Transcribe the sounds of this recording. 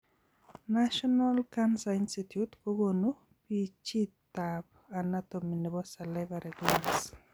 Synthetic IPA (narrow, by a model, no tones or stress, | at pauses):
naʃɔnalkansainsitjutkoɡonu | pit͡ʃit̪ːab | anat̪ominebɔsalɛvaɾɛɡans